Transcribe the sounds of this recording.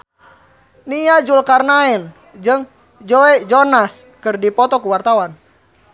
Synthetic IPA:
nijad͡ʒulkarnaɛn | d͡ʒɨŋ | d͡ʒɔɛd͡ʒɔnas | kɨrdipɔt̪ɔkuwart̪awan

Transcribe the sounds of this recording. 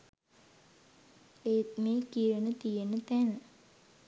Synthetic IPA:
emeːkiːɾənət̪ijenət̪ænə

